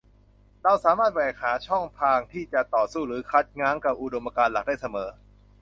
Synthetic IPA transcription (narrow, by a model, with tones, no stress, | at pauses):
ɾa˧wsaː˩˦maː˥˩t̪̚baː˨˩ja˨˩k̚haː˩˦t͡ɕʰɔ˥˩ŋpʰaː˧ŋt̪ʰiː˥˩t͡ɕa˨˩t̪ɔː˨˩suː˥˩ɾɯː˨˩˦kʰa˦˥t̪̚ŋaː˧˥ŋka˨˩p̚ʔu˨˧˩do˧mʔa˧kaː˧nla˨˩k̚daː˥˩jsa˧mɤː˩˦